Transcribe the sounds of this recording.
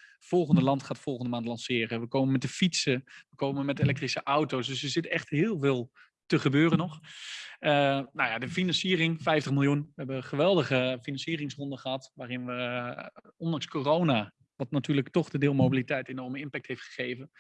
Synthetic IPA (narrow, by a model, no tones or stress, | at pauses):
fɔlˠχəndəlɑntχaːtfɔlˠɣəndəmaːntlɑnsɪːrəʋəkoːməmɛtdəfitsəʋəkowməmɛtelɛk̚trisəʔawtowsdʏsəzɪtɛχtɦɪːlˠvɪːlˠ | təχəbøːrənɔχ | ənawjadəfinɑnsiərɪŋfɛjftəχmɪlˠjunʋəɦɛbəχəʋɛlˠdəχəfinɑnsiərɪŋsrɔndəχəɦɑtʋaːrɪnʋə | ɔndɑŋskoːrowna | ʋɑtnatyːrləktɔχdədɪːlˠmowbilitɛjtenɔrməɪnpɛk̚thejftχə̥χejvən